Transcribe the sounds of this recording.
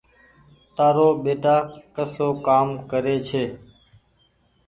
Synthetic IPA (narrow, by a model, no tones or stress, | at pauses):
t̪aːɾoːɓeːʈaːkəsoːkaːmkəɾeːt͡ʃʰeː